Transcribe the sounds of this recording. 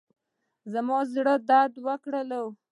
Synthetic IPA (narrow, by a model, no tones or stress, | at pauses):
zamɑzɽəd̪ad̪wəkɽəlaw